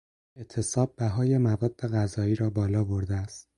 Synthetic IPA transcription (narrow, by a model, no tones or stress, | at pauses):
et̪ʰːe̞sɒːb̚ːæɦɒːjemævɒːd̪̚ːe̞ɣæzɒːiːɾɒːbɒːlɒːbo̞ɾd̪eæst̪